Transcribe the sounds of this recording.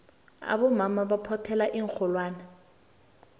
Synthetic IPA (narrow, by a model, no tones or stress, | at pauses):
a̰bɔmamabapʰɔtʰɛlaʔiŋk͡xʰɔlwaːna